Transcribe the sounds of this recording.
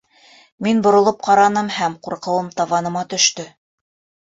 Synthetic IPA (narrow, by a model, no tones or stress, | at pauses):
minbŏɾŏlˠɤp̚qɑɾɑnɤmhæmquɾqɤ̆wɤmt̪ɑvɑnɤ̆mɑt̪ɵ̆ʃt̪ɵ